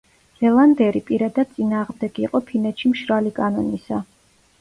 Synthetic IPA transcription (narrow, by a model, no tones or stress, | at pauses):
z̥ɛlˠand̪ɛɾipʼiɾad̪ad̪̥̚sʼinaːʁmd̪ɛɡiqʼɔpʰinɛt̪ʃimʃɾalikʼanɔnisa